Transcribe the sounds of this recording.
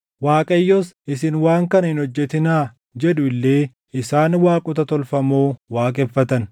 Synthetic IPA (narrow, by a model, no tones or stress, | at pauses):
waːkʼɐjːɔsɪsɪnwaːŋkɐnɐhɪnhɔd͡ʒːɛt̪ɪnaː | d͡ʒɛᶑʊɪlːe̞ː | ʔɪsaːnwaːkʼʊt̪ɐt̪ɔlfɐmoːwaːkʼɛfːɐt̪ɐn